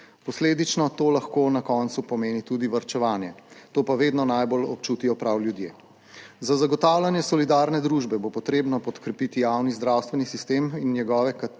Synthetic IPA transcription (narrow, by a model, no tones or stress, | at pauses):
pɔsleːd̪it͡ʃnɔt̪oːlaxkoːnakɔnt̪supɔmeːnit̪ud̪iʋɐɾt͡ʃɛʋaːnjɛt̪oːpaʋeːd̪nɔnajbolɔpt͡ʃuːt̪ijɔpɾawljud̪jeː | zazaɡɔt̪aːwlʲanjɛsɔlid̪aːɾnɛd̪ɾuːʒbɛbopɔt̪ɾeːbnɔpɔt̪kɾɛpit̪ijawnizd̪ɾawst̪ʋɛnisist̪eːminːjɛɡɔːʋɛka